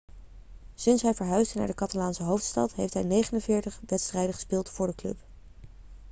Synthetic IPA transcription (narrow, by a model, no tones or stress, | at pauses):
sɪnsɦɛjvəɹɦœɥsdəna̰ːɹdəkɑtalaːnsəɦowftstɑ̰tɦejftɦɛjnejχənənvɪːɹtəχdɛtstrɛjdəχə̥spɪːlˠtfʊːɹdəklɵ̰p